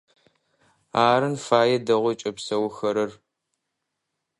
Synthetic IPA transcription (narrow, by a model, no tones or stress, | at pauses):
aːɾɨnfaːjɛdɐʁʷɔt͡ʃʼɐpsɐwxɐɾɐr